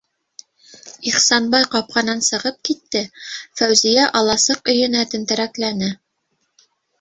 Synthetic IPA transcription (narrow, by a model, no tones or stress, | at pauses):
iχsɑnbɑjqɑp̚qɑnɑnsɤ̆ʁɤp̚kit̪ːɘfæwzijæʔɑlˠɑsɤqɵ̆jɘ̆næt̪ɘ̆nt̪ɘ̆ɾæklænɘ